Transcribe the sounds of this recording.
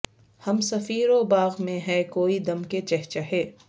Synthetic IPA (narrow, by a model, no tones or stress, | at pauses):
hɐmsɐfiːɾobaːɣmẽɦɛkoːid̪ɐmket͡ʃɛɦt͡ʃaɦeː